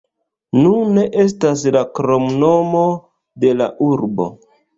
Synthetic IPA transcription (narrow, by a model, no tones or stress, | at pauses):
nune̞ʔe̞s̬tas̬lakɾo̞mno̞mo̞ | de̞la̰ʔuɾbo̞̰